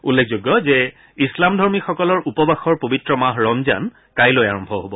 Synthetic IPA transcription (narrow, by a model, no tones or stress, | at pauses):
ulːek̚ʰzoɡjɔzɛ | islamdʱɔɹmixɔkɔlɔɹʔupɔbaxɔɹpobitɹɔmaɦɹɔmza̰n | kajlojaɹɔmbʱɔɦobɔ